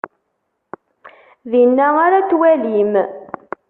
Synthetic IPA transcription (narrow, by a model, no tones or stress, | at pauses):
ðinːæaɾat͡sːwælim